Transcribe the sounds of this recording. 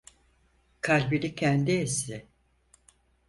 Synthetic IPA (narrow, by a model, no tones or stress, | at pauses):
kʰalʲbilʲicʰɛnd̪iɛsɪ